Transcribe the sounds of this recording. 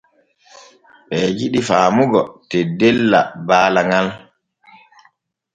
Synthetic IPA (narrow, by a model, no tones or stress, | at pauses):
ɓɛːd͡ʒiɗifaːmuɡɔtɛdɛlːa̰baːlaŋal